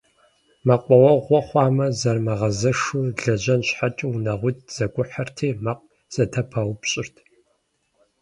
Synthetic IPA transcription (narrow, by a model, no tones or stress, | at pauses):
mɐqʷʼɔwɐʁʷɔχʷɑːmɐzɐrmɐʁɐzɐʂuɮɐʑɐnɕħat͡ʃʼɐʊnɐʁʷʊt̚ʰz̥ɐɡʷʼʊħɐrtʰeːmɐq̚ | z̥ɐtʰɐpʰɐwpɕʼɪrtʰ